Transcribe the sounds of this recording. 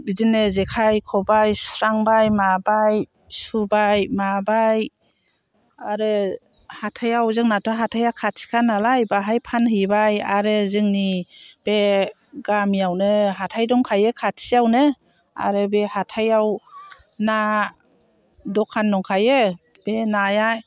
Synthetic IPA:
bizinɯzekʰajkʰɔbajsɾaŋbajmabaj | subajmabaj | aɾɯ | hatʰajawzɯŋnatʰɔɦatʰajakʰatsi̥kʰanːalajbaɦajpʰanhɯbaja̰ɾɯzɯŋnib̥e | ɡamijawnɯɦatʰajdɔŋkʰajɯkʰatsiawnɯ | a̰ɾɯbehatʰajaw | na | dɔkʰanːɔŋkʰajɯ | b̥enaja

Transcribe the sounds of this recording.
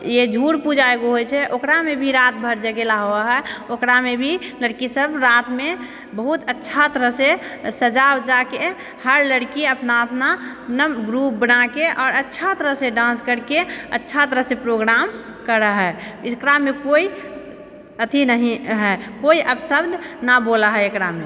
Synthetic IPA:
jed͡ʒʱuɽpud͡ʒaeɡoɦojt͡ʃʰɛʔokɾamebʱiɾat̪̚bʱəɾd͡ʒəɡelaɦoaɦɛokɾamebʱiləɽkisəbʱɾat̪me | bəɦut̪ətːʃʰat̪əɾəɦsesəd͡ʒabd͡ʒake | həɾləɽkiəpnaəpnapnəmɡɾup̚bənakeʔɔːɾətːʃʰat̪əɾəseɖãnskəɾkeə̰tːʃʰat̪əɾəsepɾoɡɾam | kəɾəɦɛɪskɾamekoi | ət̪ʰinəɦĩɦɛkoiʔəbsəbd̪ʱnabolaɦɛekɾame

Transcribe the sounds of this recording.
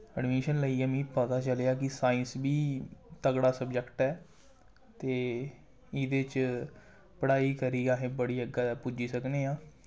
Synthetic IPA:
əɖmiːʃənləiːɛːmĩːpət̪aːt͡ʃəlejaːkɪsaːɪnsbiːt̪əɡɽaːsəbd͡ʒəkʈɛː | t̪eː | ɪd̪eːt͡ʃ | pəɽaːiːkəɾiːɡaːɦẽːbəɽiːəɡapʊd͡ʒiːsəkneːaː

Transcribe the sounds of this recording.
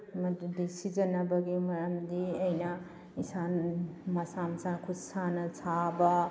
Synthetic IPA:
mɐdudisid͡ʒɐnɐbɐɡimɐɾɐmdiɐjnɐ | isamɐsamsakʰusanɐsʰabɐ

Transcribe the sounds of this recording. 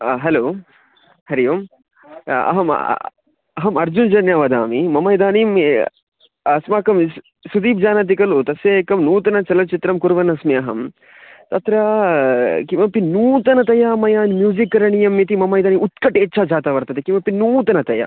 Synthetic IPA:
ɦɐloː | hɐɾijɐm | ɐ̰ɦɐm̰ | ɐɦɐmɐɾd͡ʒund͡ʒɐnjaːʋɐd̪a̰ːmimɐmɐjd̪aːnim | ɐsmaːkɐm | sud̪iːp̚d͡ʒaːnɐt̪̬ikɐlut̪ɐsjɐekɐmnuːt̪ɐnɐt͡ʃɐlɐt͡ʃit̪ɾɐmkuɾʋɐnɐsmiɐɦɐm | t̪ɐt̪ɾɐ | kimɐpinuːt̪ɐnɐt̪ɐjamɐjaːnmjuːzikːɐɾɐɳijɐmːit̪imɐmɐj̪aːniut̪kɐʈeːtːt͡ʃʰaːd͡ʒaːt̪ɐʋɐɾt̪ɐt̪ekimɐpinuːt̪ɐnɐt̪ɐjɐ̰

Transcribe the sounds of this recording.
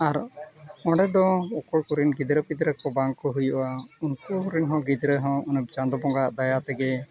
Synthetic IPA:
aɾɔ̃ɖɛd̪ɔɔkɔɽkuɾinɡid̪ɾəpid̪ɾəkɔbaŋkɔɦujuʔaunkuɾinɦɔ̃ɡid̪ɾəɦɔ̃unəb̚d͡ʒand̪ɔbɔŋɡaʔd̪ajat̪ɛɡɛ

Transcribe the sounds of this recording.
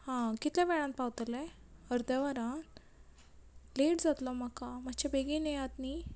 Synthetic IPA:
hãkit̪laʋɛɭãnt̪̚pawt̪əle | əɾd̪aʋaɾãn | leʈd͡zat̪lɔm̤akam̤at͡ɕabeɡinəjat̪niː

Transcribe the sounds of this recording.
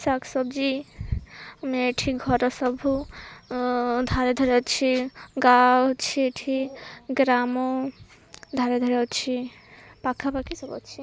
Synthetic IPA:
saksɔbd͡ʒi | mieʈʰiɡʱɔɾɔsɔbʱu | d̪ʱaɾed̪ʱɔɾet͡ʃʰiɡawt͡ʃʰieʈʰiɡɾamo | d̪ʱaɾed̪ʱɔɾeot͡ʃʰi | pakʰapakisɔbɔ̰t͡ʃʰi

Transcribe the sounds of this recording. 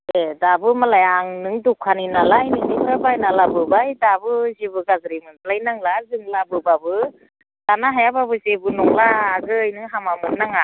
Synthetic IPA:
edabɯmalajaŋnɯŋdukʰaninalajnɯŋnipʰɯɾbajnalabɯbajdabɯzebɯɡazɾimɯnpʰlajnaŋlazɯŋlabɯbabɯ | d̥anaɦajababɯzebɯnɔŋlaːɡɯɯjnɯŋɦamamɯnːaŋa

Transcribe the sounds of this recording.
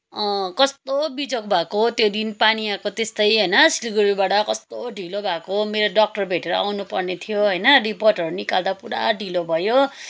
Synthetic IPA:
ʌ̃kʌst̪obid͡zokbʱakot̪jod̪inpaniakot̪est̪ʌjɦʌjnʌsilɡuɾibaʈʌkʌst̪oɖʱilobʱakomeɾoɖʌk̚ʈʌrbʱeʈeɾʌ̰ʔa̰wnupʌrnet̪ʰijoɦʌjnʌriporʈʌɾunikald̪apuɽa̰ɖʱilobʱʌjo

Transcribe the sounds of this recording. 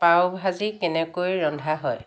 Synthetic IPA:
pawbʱazikɛnɛkojɹɔndʱaɦɔj

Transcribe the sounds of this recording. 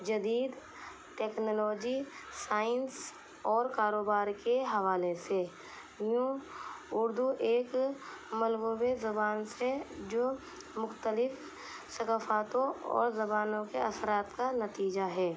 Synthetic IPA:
d͡ʒɐd̪iːd̪ | ʈeːknoːlɔːd͡ʒi | saːɪns | ɔːɾkaːɾoːbaːɾkeɦɐʋaːlese | jũ | ʊɾd̪uʔeːkmɐlɡowezɐbaːnsed͡ʒoː | mʊxt̪əlɪf | sɐkaːfaːt̪õɔ̰ːɾzɐbaːnõkeɐsəɾaːt̪kanɐt̪iːd͡ʒaɦɛː

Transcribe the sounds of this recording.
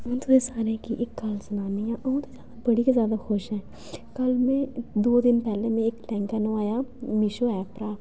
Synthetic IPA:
ʊ̃nt̪ʰoːɾesaːɾekiʔɪkːɐlsənaːnijãʔɐũt̪ozjaːd̪abəɽikezjaːd̪axʊʃɦɛ̃ː | kəlmẽd̪oːd̪ɪnpɛːlemẽɪklɛ̃ːŋkanoaːjaːmɪʃoːɛːpɾaː

